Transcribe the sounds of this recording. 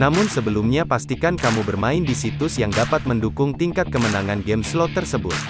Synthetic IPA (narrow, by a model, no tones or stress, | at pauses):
namʊnsəbəlumɲapast̪ikankamubərmaɪndisit̪ʊsjaŋdapat̪̚məndukʊŋt̪iŋkat̪̚kəmənaŋanɡɛmslot̪ərsəbʊt̪